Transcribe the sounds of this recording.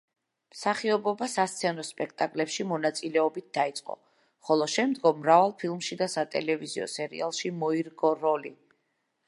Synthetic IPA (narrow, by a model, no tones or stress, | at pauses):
msaχiɔbɔbasast̪sʰɛnɔspʼɛk̚ʰt̪ʼakʼlɛpʃimɔnat̪sʼilɛɔbit̪̚d̪ait̪sʼqʼɔ̰ | χɔlˠɔʃɛmd̪ɡɔmːɾavalˠpʰilˠmʃid̪asat̪ʼɛ̰lɛviziɔ̰sɛɾḭalˠʃimɔiɾɡɔɾɔli